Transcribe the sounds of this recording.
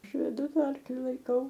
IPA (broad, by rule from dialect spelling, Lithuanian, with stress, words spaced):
ˈɐʃ ʋʲɛˈdʊ ˈtɐ ˈɐrklʲɪ lˠɐɪˈkɐʊ